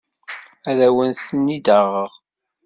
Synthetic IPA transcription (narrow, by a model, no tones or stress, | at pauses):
æðæwənθənːid̪əʁəʁ